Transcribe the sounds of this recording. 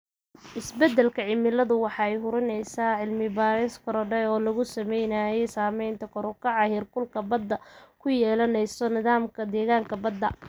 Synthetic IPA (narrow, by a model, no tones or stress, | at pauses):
ʔɪsbɛd̪ːɛlkʰɐʕɪmɪlɐðʊwɑħɑːɛjɦʊɾɪnɛjsaːʕɪlmɪbaːɾɪskʰɔɾɔɖɛjɔːlɐɣʊsɐmɛjnaːjɛjsaːmɛjnt̪ʰɐkʰɔɾʊkʰɑʕɑhɪrkʊlkʰɐbɐd̪ːɐkʰʊjɛːlɐnɛjsɔnɪðaːmkʰɐd̪ɛːɣaːŋkʰɐbɐd̪ːɐ